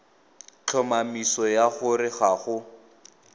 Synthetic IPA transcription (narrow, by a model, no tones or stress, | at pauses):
t͡ɬʰɔmamisɔjaχʊɾɪɣaχʊ